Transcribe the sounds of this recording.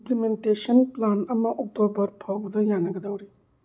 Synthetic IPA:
plimentesɐnplanɐmɐʔɔk̚tobɐɾpʰawbɐd̪ɐjanɐɡɐdawɾi

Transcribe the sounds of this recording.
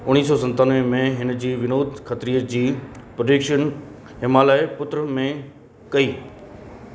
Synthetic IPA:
ʊñiːs̬ɔsɐ̃nt̪aːnʋẽmẽɦɪn̆d͡ʑiːʋɪnoːd̪ʱxɐt̪ɾiːəd͡ʑiːpɾodeːkʃən | ɦɪmaːlaːɪpʊt̪ɾəmẽ | kɐiː

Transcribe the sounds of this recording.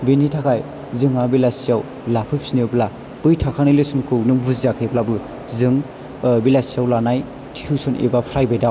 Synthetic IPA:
binitʰakʰaj | zɯŋabilasijaw | lapʰɯjpʰsiniɯpla | b̥ɯjtʰakʰanɯilesuŋkʰɯwnɯbuziakʰejblabɯ | zɯŋ | bilasijawlanaj | tʰi̥hʰusɔnʔḛbapʰɾajbajdaw

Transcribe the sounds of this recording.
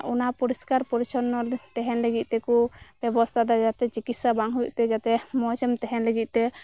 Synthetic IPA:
ʔunapɔɾiskaɾpɔɾit͡ʃɔnɔt̪ɛɦɛnləɡit̪̚ˀt̪ɛkub̥ɛbɔst̪ʰad̪ɔd͡ʒat̪ɛt͡ʃikit̪sabaŋɦuiʔt̪ɛd͡ʒat̪ɛmɔd͡ʒɛmt̪ɛɦɛnləɡit̪̚ˀt̪ɛ

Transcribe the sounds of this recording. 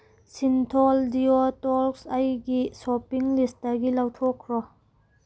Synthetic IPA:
sintʰɔldiotɔlksajɡisɔpiŋlist̚daɡilawtʰɔkʰɾɔ

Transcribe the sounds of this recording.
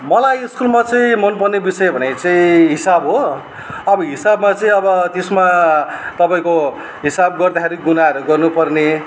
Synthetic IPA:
mʌlajskulmat͡sʌĩmʌnpʌnebisʌjʌbʱʌnet͡sʌĩɦisabɦo | ʌbʌɦisabmat͡sʌĩʌbʌt̪esmat̪ʌpaĩko | ɦisabɡʌrd̪akʰeɾiɡunaɦʌɾuɡʌrnupʌrne

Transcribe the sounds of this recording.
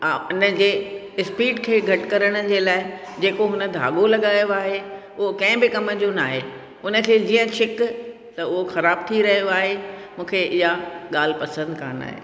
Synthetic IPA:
ʊnəd͡ʑeː | ɪspiːɖkʰeːɡʱɐʈkɐɾəɽ̃ə̆d͡ʑeːlaːɪ | d͡ʑeːkoɦʊnə̆d̪ʱa̰ːɠolɐɠaːjoaːɦe | ʊɦokɐ̃ɪ̃bɪkɐməd͡ʑonaːɦe | ʊnə̆kʰeːd͡ʑiːə̃t͡ɕʰɪk | t̪ɐʊɦoxɐɾaːb̚t̪ʰiɾɐɦijoaːɦemũːkʰeʔɪɦaɠaːl̤ɪ̆pɐsə̃nd̪kʰa̰ːna̰ːɦḛː

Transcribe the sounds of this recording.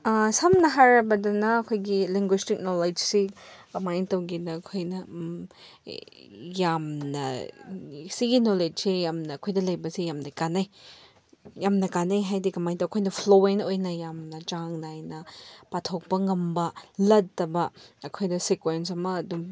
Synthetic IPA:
ɐsɐmnɐɦaɾɐbɐdɐnɐːkʰojɡiliŋɡwistik̚noled͡ʒsikɐmajtɐwɡinɐːkʰojnɐ | jamnɐ̰ | siɡinoled͡ʒsejamnɐːkʰojdɐlɐjbɐsijamnɐkanɐj | jamnɐkanɐjɦajdikɐmajntɐwkʰojnɐpʰloenojnɐjamnɐt͡ʃaŋnajnɐpatʰok̚pɐŋɐmbɐlɐd̚tːɐbɐːkʰojdɐsekwens̬ɐmɐːdum

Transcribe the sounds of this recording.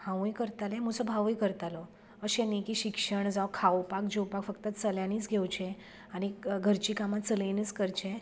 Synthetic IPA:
hãʋũjkəɾt̪alẽmusɔbʱaʋũjkəɾt̪alɔ | əɕẽnikiɕikʂəɳd͡zawkʰawpak̚d͡ʑewpakfəkt̪ət͡səljaniːt͡sɡʱewt͡ɕẽ | añiɡʱəɾt͡ɕikamat͡səleniːt͡skəɾt͡ɕẽ

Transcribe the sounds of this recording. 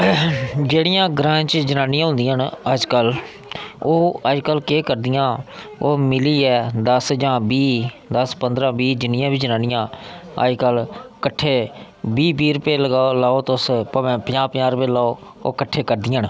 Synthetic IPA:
d͡ʒeːɽɪjãːɡɾãːt͡ʃd͡ʒənaːnɪjãːɦʊ̃nd̪ɪjaːnəd͡ʒkəl | oːəd͡ʒkəlkeːkəɾd̪ɪjãː | oːmɪliːɛːd̪əsd͡ʒãːbiː | d̪əspənd̪ɾãːbiːd͡ʒɪnɪjãːbiːd͡ʒənaːnɪjãːə̰d͡ʒkəlkəʈʰːeː | biːbiːɾʊpeːləɡaːolaːoːt̪ospːpjãːpjãːɾpeːlaːoː | o̰ːkəʈʰːeːkəɾd̪ɪjaːn

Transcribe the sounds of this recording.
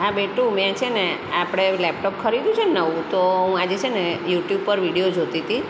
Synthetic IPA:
abeʈũmjãt͡ʃʰeneapɽ̃elɛp̚ʈop̚kʰəɾid̪ũt͡ʃʰenəʋũt̪oɦũad͡ʒet͡ʃʰenejuʈjub̚pəɾʋiɽijod͡ʒʱot̪it̪ʰi

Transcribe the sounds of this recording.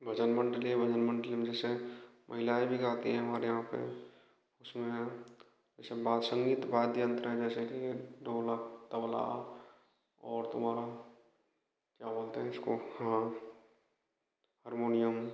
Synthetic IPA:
bʱəd͡ʒənmə̃ɳɖəlibʱəd͡ʒənmə̃ɳɖəlimd͡ʒɛːsemʔɐɦɪlaːebʱiɡaːt̪iɦɛ̃ɦɐmaːɾejɦãpḛ | ʊsmẽ | d͡ʒɛːsebaːd̪sə̃ŋɡiːt̪baːd̪jə̃nt̪ɾəɦɛ̃d͡ʒɛːsekiɖʱoːlat̪əwla̰ | ɔːɾt̪ʊmɦaːɾa | kjaboːlt̪eɦɛɪskohã | həɾmoːnijəm

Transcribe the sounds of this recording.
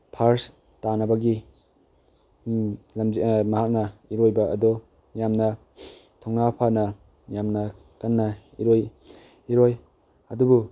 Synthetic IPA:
pʰaɾs | tanɐbɐɡi | lɐmzimɐɦak̚nɐiɾojbɐʔːdɔ | jamnɐ | tʰɔŋnapʰanɐ | jamnɐ | kɐnːaiɾoj | iɾoj | ɐdubu

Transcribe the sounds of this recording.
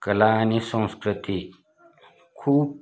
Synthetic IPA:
kɐlaːnisõːskɾɪt̪i | kʰuːb̚

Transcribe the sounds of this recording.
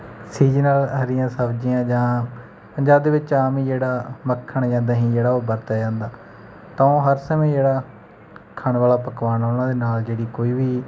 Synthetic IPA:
siːd͡ʒnaːlɦəɾɪjãːsəbd͡ʒiːãːd͡ʒãː | pəɲd͡ʒaːb̚d̪eːʋɪt͡ʃaːmĩːd͡ʒeːɽaːməkʰːəɳd͡ʒãːnd̪aːɦĩːd͡ʒeːɽaːoːbəɾt̪aːd͡ʒãːnd̪aː | t̪ãːõːɦəɾsəmẽːd͡ʒeːɽaː | kʰəɳʋaːlaːpəkʋaːnoːnãːd̪eːnaːld͡ʒeːɽiːkoːiːʋiː

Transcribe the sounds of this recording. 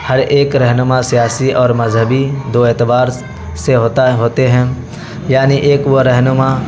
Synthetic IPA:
hɐɾʔeːkɾɛɦnʊmasijaːsiʔɔːɾmɐd͡ʒʱɦəbid̪oːeːt̪ɪbaːɾ | seɦoːt̪ɦoːt̪eɦɛ̃ | jaːniʔeːkʋoɾɛɦnʊma

